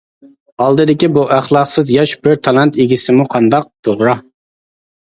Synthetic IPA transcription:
ɑlˠd̪ɨd̪ɪkʲibuʔæχlˠɑqsɨzjɑʃbɪɾt̪ʰɑlˠɑnt̪eɡʲisɪmuqʰɑnd̪ɑq̚t̪ʰoʁɾɑ

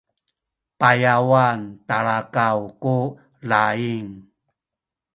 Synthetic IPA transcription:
pajawantaɭakawku | laiŋ

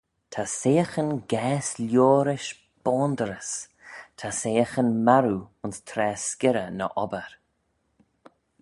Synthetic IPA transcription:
t̪ʰaseːəxənɡɛːsljoːɾɪʃ | b̥ɔːnd̪əɾəs | tʰaseːəxənmaɾuʊnst̪ʰɾɛːskɪɾənə̰ʔɔbəɾ

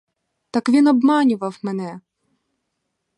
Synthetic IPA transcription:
t̪ɑkʋʲinɔbmɑnʲʊʋɐwmɛnɛ

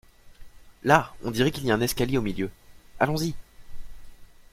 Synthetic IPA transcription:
laɔ̃d̪iʁɛkʲiliaɛ̃nɛskaljeomiljøalɔ̃zi

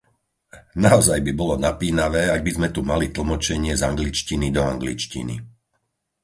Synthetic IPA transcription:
naɔzajbibɔlɔnapiːnaʋɛːaɡ̚bizmɛt̪umalit̪l̩ˠmɔt͡ʃɛɲɪɛzaŋɡlit͡ʃcinid̪ɔaŋɡlit͡ʃcḭnḭ

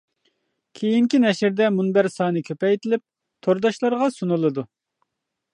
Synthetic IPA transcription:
kʲʰejiŋkʲinɛʃɪɾd̪ɛmunbæɾsɑːnɨkʲʰøpɛjt̪ʰɪlɪp̚ | t̪ʰoɾd̪ɑʃlˠɑɾʁɑsunulˠɨd̪u

